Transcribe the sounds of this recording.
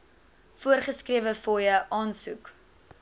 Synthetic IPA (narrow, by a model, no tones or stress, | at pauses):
fuərχəskriəvəfɔjəʔɑːnsuk